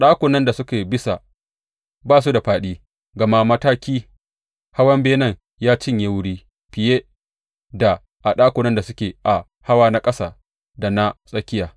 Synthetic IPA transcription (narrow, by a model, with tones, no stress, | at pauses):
ɗaː˦kʷʊ˨nɐ˦nda˨sʊ˦kʲeː˨bɪ˦sa˨ | baː˦˨s̬u˦da˨ɸaː˦ɗiː˦ | ɡɐ˨ma˦mɐ˦taː˦kʲiː˦ | ha˦wɐ˦mbeː˦nɐ˦˨ŋ | jaː˦t͡ʃɪ˦ɲje˦wʊ˦ɽiː˦ | ɸɪ˨jeː˦ | da˨ | ʔa˨ɗaː˦kʷʊ˨nɐ˦nda˨sʊ˦kʲeː˨ʔa˨ | ha˦waː˦na˦kʼɐ˦saː˨ | da˨na˦sʼɐ˦kʲɪ˦jaː˨